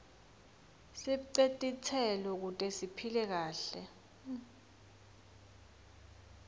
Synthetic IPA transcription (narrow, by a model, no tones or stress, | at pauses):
siǀetʼit͡sʰɛlɔk̬utʼesipʰilɛk̬aːɬɛ